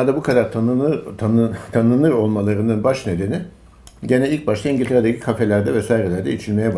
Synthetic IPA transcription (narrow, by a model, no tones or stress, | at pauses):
ad̪abukʰad̪aɾt̪ʰnɯ | t̪ʰanɯnlˠɯɾo̞lˠmalˠaɾɯnd̪ɯnbaʃne̞d̪e̞ni | ɟe̞nɛilʲc̚baʃlʰˠaiɲɟilʲt̪ʰe̞ɾad̪acʰi̥kʰafelʲæɾd̪ɛvɛsaːjiɾelʲæɾd̪ɛit͡ʃʰilʲme̞jɛb